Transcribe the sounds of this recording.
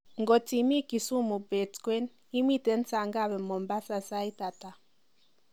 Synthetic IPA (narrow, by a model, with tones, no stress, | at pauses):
ŋɡɔ˨t͡si˨mi˦ki˨su˦mu˨bɛ˨tkwɛ˦n | i˦mi˦tɛ˨˦n˦t͡sa˨ŋɡa˦βɛ˨mɔ˨mba˦sa˦sa˦i˦ta˨ta˨